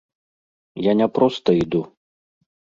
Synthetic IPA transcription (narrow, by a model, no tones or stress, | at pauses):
janʲɛpɾɔst̪ɐid̪u